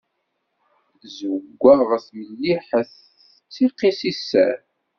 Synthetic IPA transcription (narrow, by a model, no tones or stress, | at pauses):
zəɡʷːaʁθməlːiħəθ | t͡sːiqːisisːæ̰ɾ